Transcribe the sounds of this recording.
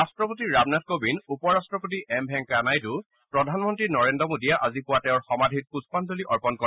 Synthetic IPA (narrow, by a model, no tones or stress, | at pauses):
astɹɔpotiɹabnat̚kobinupɔɹastɹɔpotiʔɛmbʱɛŋkanajtʊ | pɹɔdʱanmɔntɹinɔɹendɔmodijaʔazipʊwatɛʊɹxɔmadʱit̚puspanzoliʔɔɹpɔnkɔ